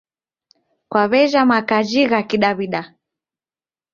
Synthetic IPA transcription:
kwaβɛʒamakad͡ʒiɣakiɗaβiɗa

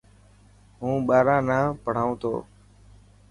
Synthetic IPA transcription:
ɦũːɓaːɾãːnãːpəɽ̤aːũːt̪ʰo̰ː

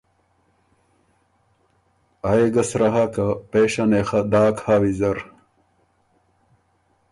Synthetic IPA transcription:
ɐeɡɐsɾɐɦakɐpeːɕɐnexɐd̪aːkʰhaːwizɐɾ

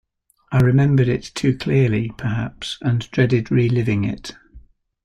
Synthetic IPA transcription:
aɪɹɪmɛ̃mbəɾɪtʰʉːkʰl̥ɪəlipʰəɦa̰psə̃ndɹɛdɪdɹilɪvɪ̃ŋɪ̰t

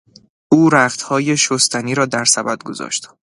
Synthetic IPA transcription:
uːɾæχt̪hɒːje̞ʃost̪ʰæniːɾɒːd̪æɾsæbæd̪̚ɡozɒ̰ːʃt̪

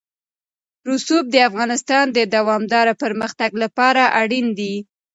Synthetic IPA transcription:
ɾusub̚d̪əafɣɑnɪst̪ɑnd̪əd̪awɑmd̪ɑɾapəɾməxt̪aɡlapɑɾaʔaɽind̪i

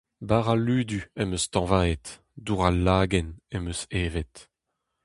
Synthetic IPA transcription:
baʁalyːd̪yɛmøst̪ɑ̃vaːet̪ | d̪uʁalːaːɡɛnɛmøseːvet̪

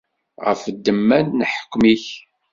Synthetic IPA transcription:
ʁə̰fəd̪ːəmːænnəħə̥kːmiç

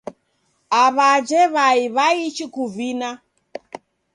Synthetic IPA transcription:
aβad͡ʒɛβaiβait͡ʃikuvina

